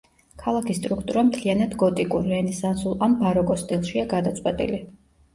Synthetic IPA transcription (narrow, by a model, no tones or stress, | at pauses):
kʰalˠakʰist̪ʼɾukʰt̪ʼuɾamt̪ʰlianad̪ɡɔt̪ʼikʼuɾɛnɛsansulˠambaɾɔkʼɔst̪ʼilˠʃiaɡad̪at̪sʼwɛt̪ʼḭli